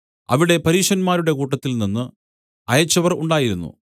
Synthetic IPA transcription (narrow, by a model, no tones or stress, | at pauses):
ɐ̰ʋiɽe̞pɐɾiːʂɐnmaːɾuɽe̞kuːʈ̬ːɐt̪ːilninːɨ | ɐjɐt͡ɕːɐʋɐrṵɳɖaːjiɾunːṵ